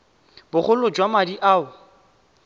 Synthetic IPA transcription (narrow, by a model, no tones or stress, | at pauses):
bʊχʊlʊd͡ʒwamadiʔaːʊ